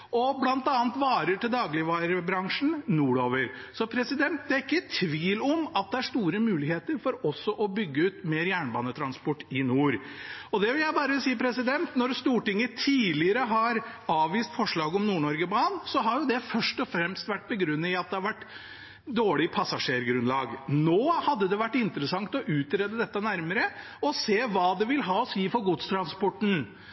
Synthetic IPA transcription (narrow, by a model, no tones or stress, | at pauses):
ɔblɑnt̪ɑːnt̪ʋɑːɾəʈɪld̪ɑːɡlɪʋɑːɾəbɾɑŋʂn̩nuːɽoːʋəɾsɔpʰɾɛsɪd̪ɛnt̪̚d̪ɛæɾɪkːət̪ʰʋiːlɔmɑt̪̚d̪ɛæʂt̪uːɾəmʉːlɪheːt̪əɾfɔɾɔsːɔʔɔbʏɡːəʉːt̪meːɾjæːɳbɑ̰ːnət̪ʰɾɑnspɔʈːɪnuːɾɔd̪ɛʋɪljæɪbɑːɾəsiːəpʰɾɛsɪd̪ɛnt̪nɔɾst̪uːʈɪŋːət̪ʰiːlɪəɾəɦɑɾɑːʋʋiːst̪fɔʂɭɑːɡɔmnuːɳɔɾɡəbɑːnsɔɦɑɾjʊd̪ɛfœʂʈɔfɾɛmst̪ʋæʈ̚ːbəɡɾʉnːəɪɑt̪̚d̪ɛhɑɾʋæʈː | d̪oːɭɪpʰɑsɑʂeːɾɡɾʉnlɑ̰ːɡnoːhɑd̪ːəd̪ɛʋæʈːɪnt̪əɾəsɑŋt̪ɔʔʉːt̪ɾeːd̪əd̪ɛt̪ːənæɾməɾə | ɔseːʋɑːd̪ɛʋɪlɦɑːɔsiːfɔɾɡʊt̪st̪ʰɾɑnspɔʈːn̩